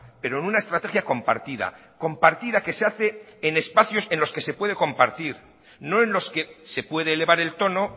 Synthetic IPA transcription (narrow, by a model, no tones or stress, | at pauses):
pe̞ɾoenunae̞st̪ɾat̪e̞xjako̞mpa̰ɾt̪iða̰ | ko̞mpaɾt̪iðake̞seaθe̞ːne̞spaθjo̞se̞nlo̞ske̞se̞pwe̞ð̞e̞ko̞mpaɾt̪iɾ | no̞e̞nlo̞ske̞se̞pwe̞ðeːle̞βaɾe̞lt̪o̞no̞